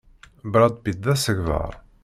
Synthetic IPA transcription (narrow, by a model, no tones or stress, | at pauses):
bɾˤɑd̪ˤbid̪æsəɣvə̰ɾˤ